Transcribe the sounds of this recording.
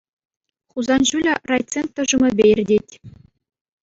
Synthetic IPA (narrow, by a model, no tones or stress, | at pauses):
χuzɑnʑulʲɑ̆rɑjt͡sent̪ːɤ̆ʐumɤ̆bʲejɘ̆rʲdʲetʲ